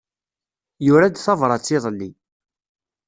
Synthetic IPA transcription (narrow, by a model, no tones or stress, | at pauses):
jʊɾad̪θɑvɾˤɑt͡sːɪðˤlːi